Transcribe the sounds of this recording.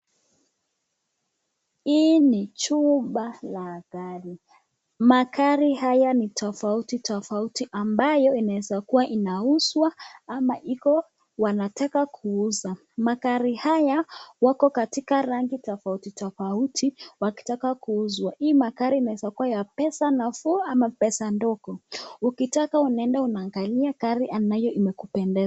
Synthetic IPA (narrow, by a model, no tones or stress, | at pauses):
init͡ʃuɓalakaɾi | makaɾihajanitʰɔfautitɔfautiʔambajɔinaɛzakuwaʔinauswaamaʔikɔ | wanatakakʰuuza | makaɾihajawakɔkatikaɾaŋɡitɔfautitɔfautʰiwaki̥takakuuzwaʔimakaɾiːnaɛzakuwajapɛsanafuamapɛsandɔkɔukitakaunaɛndaunaːŋɡaliakaɾiʔanajɔʔimɛkupɛndɛ